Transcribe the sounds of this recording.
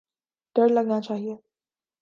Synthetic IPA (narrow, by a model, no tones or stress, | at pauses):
t̪əɽləɡnat͡ʃaːɦie